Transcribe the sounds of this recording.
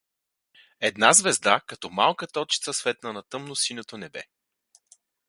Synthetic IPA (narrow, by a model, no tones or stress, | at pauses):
ɛd̪nazvɛzd̪akɐt̪ɔmalˠkət̪ɔt͡ʃi̥t̪səsvɛt̪̚nənɐt̪ɤmnosinot̪onɛbɛ̰